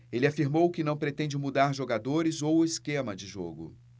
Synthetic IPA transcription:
elɪafiɾmowkɪnɐ̃w̃pɾet̪ẽnd͡ʒɪmud̪aɾʒoɡad̪oɾɪzowɪskẽmɐd͡ʒɪʒo̰ɡʊ̰

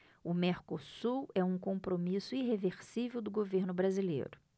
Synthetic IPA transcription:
ʊmeɾkosuwɛũkõpɾomisʊiɦeveɾsivewd̪ʊɡoveɾnʊbɾazilḛjɾʊ

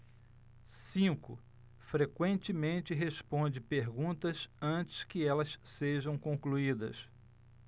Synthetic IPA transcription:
sĩkʊ̰ | fɾekwẽnt͡ʃɪmẽnt͡ʃɪɦeʃpõnd͡ʒɪpeɾɡũnt̪ɐsɐ̃t͡ʃɪ̥skɪɛlɐsseʒɐ̃w̃kõkluid̪ɐ̰s

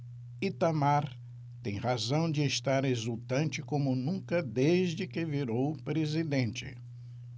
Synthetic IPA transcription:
it̪amaɾ | t̪ẽj̃ʁazɐ̃w̃d͡ʒɪeʃt̪aɾezut̪ɐ̃nt͡ʃɪkõmʊnũkɐd̪eʒd͡ʒɪkɪviɾowpɾezid̪ẽnt͡ʃɪ̰

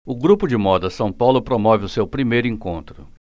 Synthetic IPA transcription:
ʊɡɾupʊd͡ʒɪmɔd̪ɐsɐ̃w̃pawlʊpɾomɔvɪʊsewpɾimejɾʊĩŋkõnt̪ɾʊ

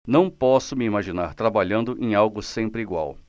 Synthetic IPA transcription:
nɐ̃w̃pɔsʊmɪimaʒinaɾt̪ɾabaʎɐ̃nd̪ʊʔẽj̃awɡʊsẽmpɾɪiɡwa̰w

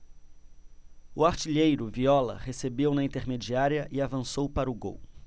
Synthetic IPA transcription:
ʊaɾt͡ʃiʎejɾʊviɔlɐ̰hesebewnɐĩnt̪eɾmed͡ʒiaɾiɐʔɪavɐ̃sowpaɾʊɡo̰w

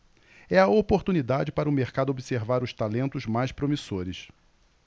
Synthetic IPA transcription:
ɛɐopoɾt̪unid̪ad͡ʒɪpaɾɐʊmeɾkad̪ʊobiseɾvaɾʊʃt̪alẽnt̪ʊzmajspɾomisoɾɪs

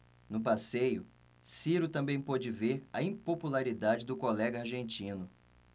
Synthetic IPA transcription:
nʊpasejʊ | siɾʊt̪ɐ̃mbẽj̃pod͡ʒɪveɾɐĩpopulaɾid̪ad͡ʒɪd̪ʊkolɛɡɐaɾʒẽnt͡ʃĩnʊ

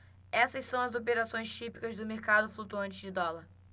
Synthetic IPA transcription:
ɛsɐʃsɐ̃w̃ɐzop̬eɾasõj̃st͡ʃipi̥kɐzd̪ʊmeɾkad̪ʊflut̪uɐ̃nt͡ʃɪd͡ʒɪd̪ɔlɐɾ

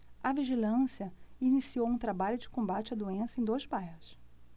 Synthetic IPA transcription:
ɐviʒilɐ̃siɐinisiowũt̪ɾabaʎʊd͡ʒɪkõmbat͡ʃɪɐd̪uẽsɐẽj̃d̪ojzbajhʊs

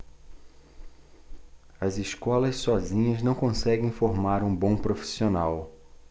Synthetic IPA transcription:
ɐzɪskɔlɐssɔzĩɲɐznɐ̃w̃kõsɛɡẽj̃foɾmaɾũbõw̃pɾofi̥sionaw

